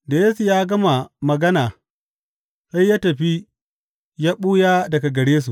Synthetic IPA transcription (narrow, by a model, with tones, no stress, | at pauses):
da˨jeː˦su˨jaː˦ɡɐ˦ma˨mɐ˨ɡɐ˦naː˨ | ʔa˦jːaː˦tɐ˨ɸi˦ | jaː˦ɓuː˦jaː˦dɐ˨ɡa˨ɡɐ˨ɽeː˦s̬u˨ʔ